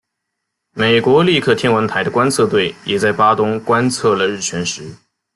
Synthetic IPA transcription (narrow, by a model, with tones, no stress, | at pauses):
me˨˩ɪkwɔ˧˥li˥˧kʰɤ˥˩t̪ʰjɛ˥nwə˧˥ŋt̪ʰa˧˥ɪd̪ə˧kwa˥nt͡sʰɤ˥˧t̪we˥˩ɪjɛ˨˩t͡sa˥˩ɪpa˥t̪ʊ˥ŋkwa˥nt͡sʰɤ˥˩lə˩ɻ̩˥˩t͡ɕʰɥɛ˧˥nʂɻ̩˧˥